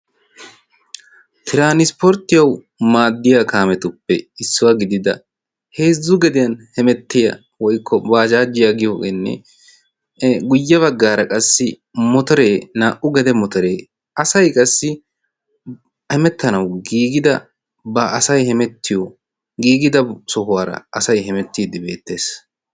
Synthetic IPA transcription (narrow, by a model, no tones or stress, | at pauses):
t̪ʰɪɾaːnɪspɔɾt̪ːɪjɐw | maːd̪ːɪjakaːmɛt̪ʊpːɛɪsːʊwɐɡɪd̪ɪd̪ɐ̰ | heːzːʊɡɛd̪ɪjɐnhɛmɛt̪ːɪjɐ̰ | wɔjkʰːɔbaːd͡ʒaːd͡ʒːɪjaɡɪjoːɡɛnːɛ̰ | ɡʊjːɐβɐɡːaːɾɐkʼɐsːɪ | mɔt̪ɔɾeːnaːʔʊɡɛd̪ɛmɔt̪ɔɾeː | ɐsɐjkʼɐsːɪ | hɛmɛt̪ːɐnɐwɡiːɡɪd̪ɐ | bɐʔːsɐjhɛmɛt̪ʰːɪjɔ | ɡiːɡɪd̪ɐsɔɦʊwaːɾɐ̰ɐsɐjɦɛmɛt̪ːiːd̪ɪbe̞ːt̪ːe̞ːs